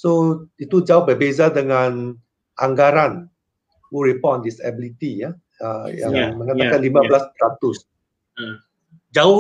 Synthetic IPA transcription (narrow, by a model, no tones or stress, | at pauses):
soit̪ud͡ʒaʊhbərbezadəŋãn | ʔaŋɡaɾan | wuɹipɔndisɛ̰bilit̪ija | ajã̰məŋat̪akanlimãbəlaspəɾat̪us | d͡ʒaʊ